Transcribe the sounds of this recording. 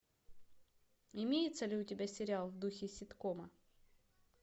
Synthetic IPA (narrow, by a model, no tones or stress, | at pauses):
ɪmʲejɪt̪səlʲɪʊtʲɪbʲasʲɪɾʲɪalˠvd̪uxʲɪsʲɪt̪komɐ